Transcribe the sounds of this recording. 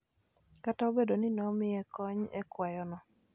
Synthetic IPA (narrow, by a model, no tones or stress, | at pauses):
kataobedonɪnɔmɪɛkɔɲɛkwajɔnɔ